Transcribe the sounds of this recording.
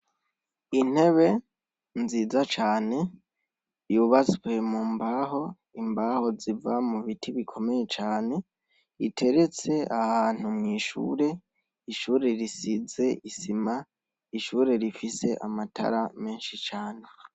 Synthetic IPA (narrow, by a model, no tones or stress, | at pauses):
in̥he̞βe̞ | nziːzat͡ʃaːne̞ | juβat͡swe̞mumbaːɦo̞ | imbaːho̞zivamuβitʰiβikʰo̞me̞je̞t͡ʃaːne̞ | itʰe̞ɾe̞t͡se̞ahaːn̥umŋiːʃṵːɾe̞ | iʃuːɾeɾisize̞ʔisima | iʃuːɾe̞ɾifise̞ʔa̰matʰa̰ɾame̞ːnʃit͡ʃaːne